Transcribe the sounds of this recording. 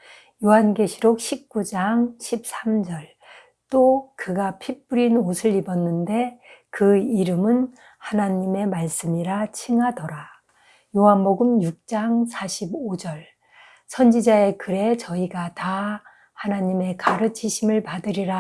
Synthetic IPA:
joɦanɡe̞ɕʰiɾok̚ɕʰip̚k͈ud͡ʑaŋɕʰip̚s͈amd͡ʑʌɭ | t͈okɯɡapʰip͈uɾinosʰɯɾibʌnːɯnde̞kɯiɾɯmɯn | hanaɲime̞maɭs͈ɯmiɾat͡ɕʰiŋɦadʌɾa | joɦanboɡɯmjuk̚t͡ɕ͈aŋsʰaɕʰibod͡ʑʌɭ | sʰʌnd͡ʑid͡ʑae̞kɯɾe̞t͡ɕʌiɡata | hanaɲime̞kaɾɯt͡ɕʰiɕʰimɯɭpadɯɾiɾa

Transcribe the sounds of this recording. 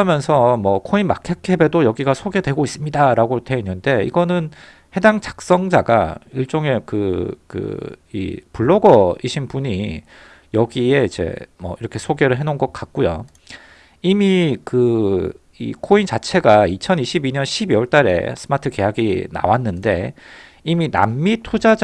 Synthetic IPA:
ʌmjʌnsʰʌmwʌkʰoinmakʰekʰe̞be̞dojʌɡiɡasʰoɡe̞dwe̞ɡois͈ɯmɲidaɾaɡotʰeinːɯnde̞ḭɡʌnɯn | he̞daŋt͡ɕḁk̚s͈ʌŋd͡ʑaɡaiɭt͡ɕ͈oŋe̞kɯkɯ̰ḭpuɭːoɡʌiɕʰinpuɲi | jʌɡie̞id͡ʑe̞̰mʌiɾʌkʰe̞sʰoɡe̞ɾɯɭɦe̞nonɡʌk̚k͈ak̚k͈ujo̰ | imikɯ | ḭkʰoint͡ɕat͡ɕʰe̞ɡait͡ɕʰʌniɕʰibiɲʌnɕʰibiwʌɭt͈aɾe̞̰sʰɯmatʰɯke̞jaɡina̰wanːɯnde̞ | imina̰mːitʰod͡ʑa

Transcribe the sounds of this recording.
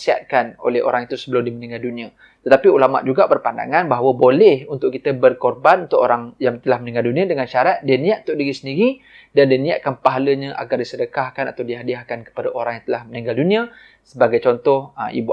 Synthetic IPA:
sia̰t̪̚kano̰lɛho̰ɾaŋit̪usəbəlʊmdimənĩŋɡaldunĩə | t̪ət̪apiulama̰ʔd͡ʒuɡabərpanda̰ŋanbaɦawəbolɛhunt̪ʊʔkit̪əbərkɔrbanunt̪ʊkoɾaŋjaŋt̪əlahmənĩŋɡaldunĩədəŋanʃaɾat̪̚diənĩaʔunt̪ʊʔ̚diɾisəndiɾi | dandiənĩja̰ʔkanpaɦaləɲə̃ʔa̰ɡardisədəkahkana̰t̪awdiɦadiahkankə̥padaʔoɾaŋjãŋt̪əlahməniŋɡaldunĩə | səbaɡajt͡ʃɔnt̪ɔhʔḭbu

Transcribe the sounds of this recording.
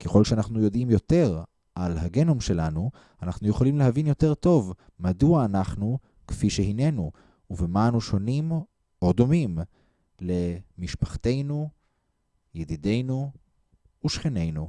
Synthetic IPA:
keχo̞lʃeanaχnujo̞dimjo̞te̞ʁ | ʔalɦaɡe̞nomʃe̞lanu | anaχnujeχolimle̞ɦavinjo̞te̞ʁto̞v | maduaːnaχnu | kfiʃeɦine̞nuː | vemaanuʃo̞nim | o̞d̪o̞mim | le̞miʃpaχte̞jnu | jedide̞jnuː | ʃχene̞jnu

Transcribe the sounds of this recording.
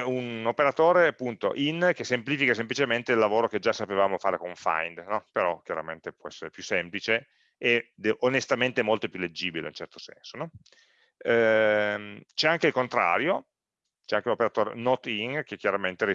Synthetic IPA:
unopeɾat̪oːɾeapːunt̪o̰ʔink̟esempliːfikasemplit͡ʃement̪eilːavoːɾok̟ed͡ʒasːapevaːmofaːɾekoɱfa̰jnd̪nɔpeɾɔk̟jaɾa̰ment̪epwɔɛsːeɾepjusːemplit͡ʃe | ed̪ʔonest̪ament̪emolt̪opjuled͡ʒːiːbilḛunt͡ʃɛrt̪o̥sɛ̰nsonɔ | t͡ʃɛaŋkeilkont̪ɾa̰ːɾjo | t͡ʃɛaŋk̟eunopeɾat̪oːɾḛnɔt̪iŋk̟ek̟jaɾament̪eɾi

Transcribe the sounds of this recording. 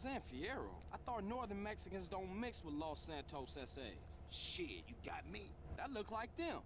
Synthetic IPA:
sæ̃nfiɛɹo̰ʊʔaɪθɔtⁿnɔɹðə̃˞nmɛksɨkɨ̃nzdõʊ̃ntmɪkswəðlɔsæ̃ntʰoʊsɛseɪ | ʃɪjɨɡɑ̰t̚mi | ðətˡlʊk̚laɪk̚ðɪ̃m

